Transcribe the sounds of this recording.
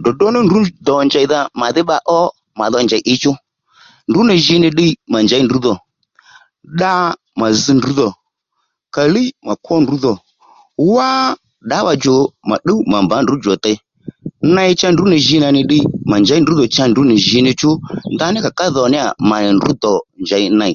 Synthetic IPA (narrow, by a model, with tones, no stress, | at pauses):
dɔ˨dɔ˦nɪ˦ndu˨˦dɔ˨nd͡ʒa˨˧ða˧ma˨ðɪ˦ɓa˧ʔɔ˦ | ma˨ðɔ˧nd͡ʒa˨ʔɪ˧t͡ʃʊ˦ | n˨dʊ˨˦nɪ˨ʒɪ˧˦nɪ˧ɗi˧˦ma˨nd͡ʒa˨˦i˦ndu˨˦ðɔ˨ | ɗa˦˧ | ma˨zi˧ndu˨˦ðɔ˨ | ka˨li˦ma˨kwɔ˦ndu˨˦ðɔ˨ | wa˦ | ɗa˨˦ɓa˧d͡ʒɔ˨ma˨ɗə˦ma˨mba˨˦n˨du˨˦d͡ʒɔ˨tɛ˧˦ | na˧jt͡ʃa˦n˨du˨˦nɪ˨ʒɪ˧na˧nɪ˧ɗi˧˦ma˨nd͡ʒa˨˦i˦ndu˨˦ðɔ˨t͡ʃa˧ndu˨˦nɪ˨ʒɪ˧˦nɪ˧t͡ʃʊ˦nda˧˦nɪ˦ka˨ka˦ðɔ˨nɪ˦a̰˨ma˨ndu˨˦d̪ɔ˨nd͡ʒa˨ɪ˧˦na˧˨